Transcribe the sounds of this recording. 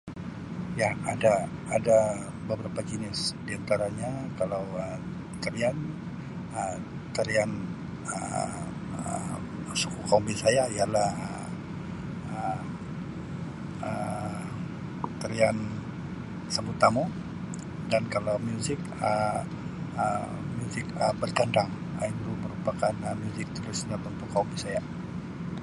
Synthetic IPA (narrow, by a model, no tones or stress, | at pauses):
jaadaːda | bəbəɾapad͡ʒənɪsdiant̪aɾaɲakalawəm | t̪əɾian | ə | t̪əɾian | ə̰ | ə | su̥kukaumbisajaialahə | ə | ə | t̪əɾian | sabut̪amu | dankalawmjuzɪk | ə | ə | mjuzɪkəbərt̪andaŋ | əit̪uməɾupakanəmjuzɪk̚t̪əɾʊsɲat̪ənt̪ukaumbisaja